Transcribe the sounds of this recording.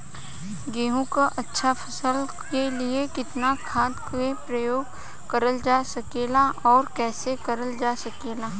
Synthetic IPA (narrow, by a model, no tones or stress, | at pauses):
ɡeːɦõkaʔɐtːʃʰafʰɐsəl | keliekɪt̪nakʰaːd̪kepɾəjoːɡ | kɐɾəld͡ʒaːsɐkeːlaʔɔːɾkɛːsekɐɾəld͡ʒaːsɐkeːlaː